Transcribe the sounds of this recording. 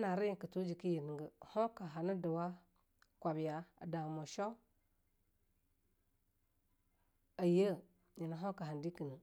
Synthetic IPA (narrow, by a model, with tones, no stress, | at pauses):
na˨ɾi˦ji˨kə˨to˦d͡ʒi˨ki˦ji˨ni˨ɡə˨ho˦ka˨ɦa˨nə˦də˨wa˦ | kʷa˨bja˨a̰˨da˨mo˨ʃo˦ | a˨jə˦ | ji˨na˨ɦo˦ka˨ɦa˨ndi˦kə˨nə˨